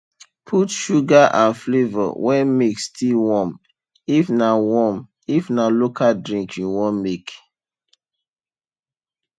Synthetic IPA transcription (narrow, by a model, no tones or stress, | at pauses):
pʰutʃuɡaʔãnflevɔ̰wɛmikstʰilwɔ̃m | ifnawɔ̃m | ifnalokadɹĩŋkjĩwɔ̃mmek